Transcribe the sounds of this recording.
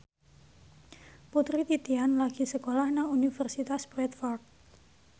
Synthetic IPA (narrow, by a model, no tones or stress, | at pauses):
put̪ɾit̪it̪ianlaɡ̥i̤səkolahnaunifərsit̪asbɾɛt̪fɔrd̪̚